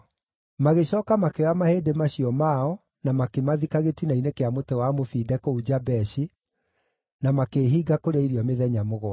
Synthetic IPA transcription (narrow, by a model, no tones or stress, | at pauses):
maɣeɕɔːkamakeɔamaheːdemaɕiɔmaɔ | namakemaðikaɣetinainekeamotɛwamofidɛkoud͡ʑabɛɕi | namakeːɦiɡakoɾeiɾiɔmeðɛɲamoɣɔ